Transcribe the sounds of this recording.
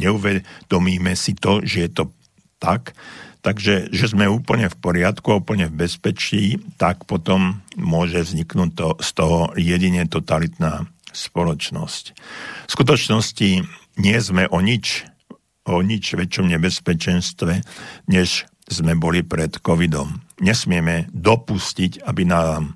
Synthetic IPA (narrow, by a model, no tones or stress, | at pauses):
ɲɛuʋɛd̪̥ɔmiːmɛsit̪ɔʒɛjɛt̪ɔ | t̪akt̪aɡʒɛʒɛzmɛuːpl̩ɲɛfpɔɾɪat̪kuaupl̩ɲɛvbɛspɛt͡ʃiːt̪akpɔt̪ɔmːʊɔʒɛvzɲiknuːc̚t̪ɔst̪ɔɦɔjɛɟiɲɛt̪ɔt̪alit̪naːspɔlɔt͡ʃnɔ̰scfskut̪ɔt͡ʃnɔsciɲɪɛzmɛʔɔɲit͡ʃ | ɔɲit͡ʃʋɛt͡ʃɔmɲɛbɛspɛt͡ʃɛnst̪ʋɛɲɛʃ | zmɛbɔlipɾɛt̪kɔʋid̪ɔmɲɛsmɪɛmɛd̪ɔpuscicabinam